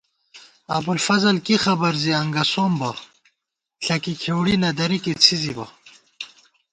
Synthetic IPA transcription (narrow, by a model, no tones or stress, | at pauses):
ɐ̰bulfɐzɐlkixɐbɐɾziɐŋɡɐsoːmbɐ | ɬɐkikʰewɽinɐd̪ɐɾikit͡sʰizibɐ̰